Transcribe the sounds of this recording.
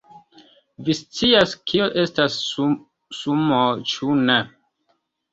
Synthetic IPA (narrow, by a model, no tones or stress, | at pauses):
vist͡siaskʰioʔe̞stas | sumot͡ʃune